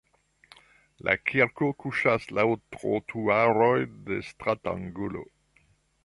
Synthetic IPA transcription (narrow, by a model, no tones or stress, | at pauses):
lʔa̰kʰiɾkokuʃaslawtʁo̰t̪ʰuaɾojdestʁat̪ã̰ŋɡolo̰